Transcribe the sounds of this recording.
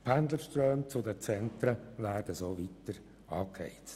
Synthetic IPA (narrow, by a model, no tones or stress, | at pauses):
pʰænd̪ləʃtɾœːmt͡sʊdət͡sɛntɾəvæːrd̥əsoːvitəɾ | ɑːkhɛ̰ɪtt͡s